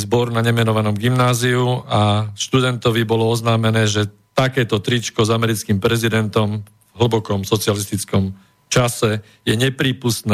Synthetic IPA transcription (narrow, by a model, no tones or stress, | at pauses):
zbɔɾunaɲɛmɛnɔʋanɔmɡimnaːziuaʃt̪ud̪ɛnt̪ɔʋibɔlɔɔznaːmɛnɛːʒɛ | t̪akɛːt̪ɔt̪ɾit͡ʃkɔzamɛɾit͡skimpɾɛzid̪ɛnt̪ɔm | vɦəbɔkɔmsɔt͡sɪalist̪it͡skɔm | t͡ʃasɛ | jɛɲɛpɾiːpust̪nɛ